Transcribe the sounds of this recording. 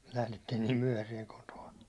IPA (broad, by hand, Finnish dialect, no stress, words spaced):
læhletːiːn niːm myæ̹hæsiɛŋ kotoɑ